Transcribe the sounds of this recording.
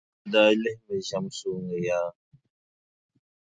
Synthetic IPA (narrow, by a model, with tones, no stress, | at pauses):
daː˦lɪ˦hme˨ʒa˦msoː˦ŋe˨jaː˦